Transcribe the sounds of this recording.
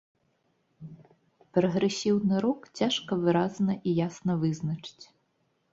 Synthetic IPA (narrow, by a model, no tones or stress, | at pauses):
pɾɐɣɾesʲiwnɪɾɔkt͡sʲaʃkɐʋɪɾɑznɐʔijasnɐʋɪznɐt͡ʂɪ̥tʲ